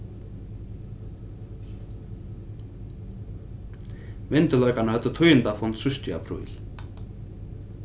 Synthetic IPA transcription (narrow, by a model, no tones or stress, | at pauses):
mɪnt̪ʏlœɥkanahœt̪ðʏt̪ʰœːɥjʏnt̪afɔnt̪sʏst̪ia̰pʰɾṵːj̰l̥